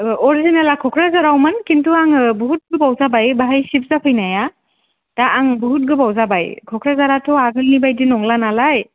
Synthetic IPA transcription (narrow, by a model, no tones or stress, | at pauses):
ɔɾizinalakʰɔkʰɾazaɾawmankintuaŋbuɦut̚ɡɯbawzabajbaɦajsip̚zapʰɯjnaja | d̥aːŋbɔɦut̚ɡɯbawzabajkʰɔkʰɾazaɾatʰɔaɡɯlnibajdinɔŋlanalaj